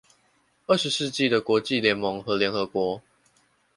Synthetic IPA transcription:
ə˥˩ʂɻ̩˨˦sɹ̩˥˧t͡ɕi˥˨d̪ə˩kwɔ˧˥˦t͡ɕi˥˨ljɛ˧˥nmɔ˧˦ŋxɤ˨˦ljɛ˧˥nxɤ˧˥kwɔ˧˥˦

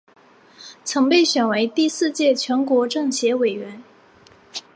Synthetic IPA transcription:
t͡sʰɤ˧˥ŋpe˥˩ɪɕɥɛ˨˩nwe˧˥ɪt̪i˥˧sɹ̩˥˧t͡ɕjɛ˥˩t͡ɕʰɥɛ˧˥nkwɔ˧˥ʈ͡ʂɤ˥˩ŋɕjɛ˧˥we˨˩ɪɥɛ˧˥n

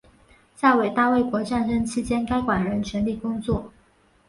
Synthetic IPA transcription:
ɕja˥˩we˨˩ɪt̪a˥˧we˥˩ɪkwɔ˧˥ʈ͡ʂa˥˩nʂə˥ŋt͡ɕʰi˥t͡ɕjɛ˥nka˥ɪkwa˨˩nɻə˧˥nt͡ɕʰɥɛ˧˥nli˥˩kʊ˥ŋt͡swɔ˥˩

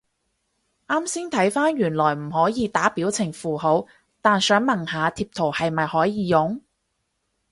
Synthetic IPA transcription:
ʔaː˥msiː˥ŋt̪ʰɐ˨˥jfaː˥nɥyː˨˩nlɔː˨˩jm̩˨˩hɔː˨˥jiː˨˧t̪aː˨˥piː˨˥wt͡sʰɪ˨˩ŋfuː˨˩ɦo˨˥w | t̪aː˨nsœː˨˥ŋmɐ˨˩ŋhaː˨˧t̪ʰiː˧p̚t̪ʰo˨˩whɐ˨jmɐ˨jhɔː˨˥jiː˨˧jʊ˨˥ŋ

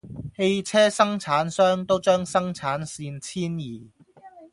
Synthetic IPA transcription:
he˧jt͡sʰɛː˥sɐ˥ŋt͡sʰaː˨˥nsœː˥ŋt̪o˥wt͡ʃœː˥ŋsɐ˥ŋt͡sʰaː˨˥nsiː˧nt͡sʰiː˥njiː˨˩

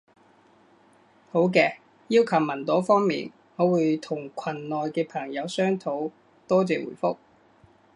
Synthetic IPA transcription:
ho˨˥wkɛː˧ | jiː˥wkʰɐ˨˩wmɐ˨˩nt̪ɔː˨˥fɔː˥ŋmḭː˨n | hɔː˨˧wuː˨˧jt̪ʰʊ˨˩ŋkʷʰɐ˨˩nlɔː˨jkɛː˧pʰɐ˨˩ŋjɐ˨˧wsœː˥ŋt̪ʰo˨˥w | t̪ɔː˥t͡sɛː˨wṵː˨˩jfʊ˥k̚

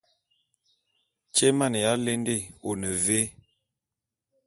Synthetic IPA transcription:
t͡ʃe˦ma˦˨n˨ja˨˦le˦nde˦˨o˨nə˨ve˦

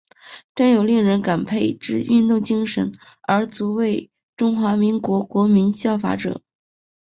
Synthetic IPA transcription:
ʈ͡ʂa˥˩njo˨˩ʊli˥˩ŋɻə˧˥nka˨˩npʰe˥˧ɪʈ͡ʂɻ̩˥˧y˥˧nt̪ʊ˥˩ŋt͡ɕi˥ŋʂə̰˧˥n | ə˞˧˥t͡su˧˥we˥˩ɪ | ʈ͡ʂʊ˥ŋxwa˧˥mi˧˥ŋkwɔ˧˥kwɔ˧˥mi˧˥nɕjɑ˥˩ʊfa̰˧˥ʈ͡ʂɤ̰˨˩˦

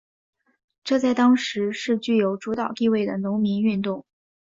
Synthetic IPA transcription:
ʈ͡ʂɤ˥˧t͡sa˥˩ɪt̪ɑ˥ŋʂɻ̩˧˥ʂɻ̩˥˧t͡ɕy˥˩jo˧˥ʊʈ͡ʂu˧˥t̪ɑ˨˩ʊt̪i˥˧we˥˩ɪd̪ə˩nʊ˧˥ŋmi˧˥ny˥˧nt̪ʊ˥˩ŋ

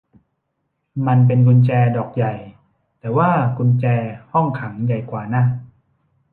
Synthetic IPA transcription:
ma˧np̬e˧nkʰu˧nt͡ɕɛː˧dɔː˨˩k̚ja˨˩j | t̪ɛː˨˩waː˥˩kʰu˧nt͡ɕɛː˧hɔ˥˩ŋkʰa˩˦ŋja˨˩jkwaː˨˩na˥˩

